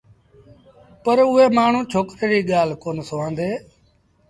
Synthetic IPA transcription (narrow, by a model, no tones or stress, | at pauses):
pəɾʊːeːmaːɳ̤ũːt͡ʃʰoːkt̪ɾiːɠaːl̤koːnsoːãːnd̪eː